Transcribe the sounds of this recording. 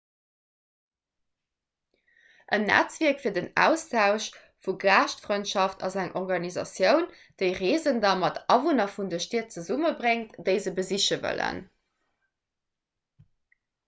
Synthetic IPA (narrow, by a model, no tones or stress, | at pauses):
ʔənːæ̰t͡sviɐkfiːɐdənæ̰ːʊstʰaʊʃ | fuɡlaːʃtfʁɔɪntʃɑftʰɑzæŋʔɔʁɡɑnizɑ̰sjəʊn | d̥əɪʁeːzəndɑmɑtɑvunɐfundəʃteət̚t͡səzuməbʁeŋtd̥əɪzəbəziʃəvə̰lə̰n